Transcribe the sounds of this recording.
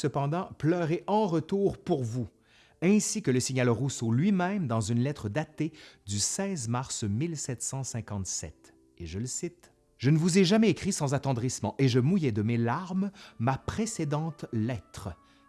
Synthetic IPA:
səpɑ̃d̪ɑ̃plœʁeʔɑ̃ʁət̪uʁpuʁvu | ɛ̃sikələsiɲalʁusolɥimɛ̃md̪ɑ̃zynlɛt̪χəd̪at̪ed̪ysɛzmaʁsmilsɛt̪sɑ̃sɛ̃kɑ̃t̪sɛ̰t̪ | eʒələsit̪ | ʒ̥ənəvuzɛʒamɛekχisɑ̃zat̪ɑ̃d̪ʁismɑ̃ʔeʒəmujɛd̪əmelaʁmːapχesed̪ɑ̃t̪lɛt̪χə

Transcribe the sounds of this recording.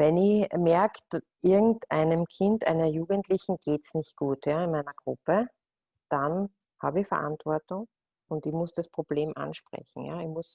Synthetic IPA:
vɛnɪçmɛɐktʔɪɐɡŋ̩tʔa̰ɪnəmkʰɪntʔa̰ɪnɐjuːɡəntlɪçn̩ɡ̥eːtsnɪçt̚ɡ̥uːtjaːɪnæɪnɐɡ̥ʁʊ̰pə | d̥an | ha̰ːbəɪçfɛɐ̰ʔantv̥ɔɐtʊŋ | ʊntɪçmʊsd̥aspʁ̥ob̥leːmʔa̰nʃpʁ̥ɛ̰çn̩ja̰ːɪmʊs

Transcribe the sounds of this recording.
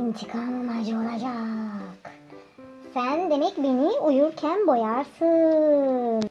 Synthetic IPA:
int͡ʃʰɯkʰammad͡ʒɯolˠad͡ʒak | sænd̪e̞mɛcbe̞niujuɾcʰænbo̞jaɾsɯ

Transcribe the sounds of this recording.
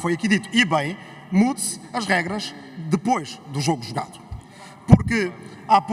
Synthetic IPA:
fojɐkiðit̪u̥iβɐ̃j̃ | muðsɐʒʁɛɣɾɐʒðɨpojʒðuʒoɣuʒuɣa̰ðu | puɾkɨ | ap

